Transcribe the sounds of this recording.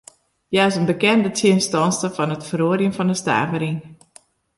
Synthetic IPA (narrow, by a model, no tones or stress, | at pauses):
jaɪsənbəkɛndətʰinstɔnstəfɔnətfəroəɾjənfɔndəsta̰ːvəɾiŋ